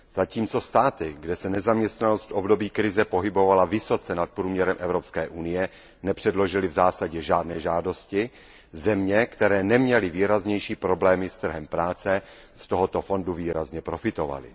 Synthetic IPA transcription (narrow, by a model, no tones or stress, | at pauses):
z̥aciːmt͡so̞st̪aːt̪ɪɡdɛsɛnɛzamɲɛst̪nanost̪ʔobdo̞biːkɾɪzɛpo̞ɦɪbovalavɪso̞t͡sɛnat̪̚pɾuːmɲɛɾɛmʔɛvɾo̞pskɛːʔunɪjɛ | nɛpr̝̥ɛdlo̞ʒɪlɪvzaːsaɟɛʒaːdnɛːʒaːdo̞scɪ | zɛmɲɛkt̪ɛɾɛːnɛmɲɛlɪviːɾazɲɛjʃiːpɾo̞blɛːmɪst̪r̩ɦɛmpɾaːt͡sɛ | st̪o̞ɦot̪o̞fo̞nduviːɾazɲɛpɾo̞fɪt̪o̞va̰lɪ̰